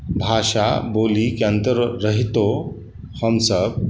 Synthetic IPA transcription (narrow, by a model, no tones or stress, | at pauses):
bʱaʂa̰bolikiənt̪əɾːəɦit̪o | həmsəb̚